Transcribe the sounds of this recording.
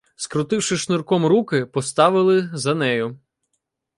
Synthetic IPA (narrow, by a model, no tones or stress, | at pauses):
skɾʊt̪ɪwʃɪʃnʊrkɔmɾukɪpɔst̪ɑʋɪlˠɪzɐnɛjʊ